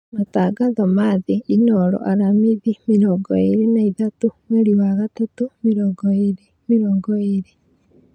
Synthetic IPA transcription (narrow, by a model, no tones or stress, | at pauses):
mataːɡaðomaːðiinɔɾɔ̰ʔaɾamiðimiɾoːŋɡɔiɾinaiðatumeɾiwaːɣatatumiɾoːŋɡɔiɾi | miɾoːŋɡɔeɾi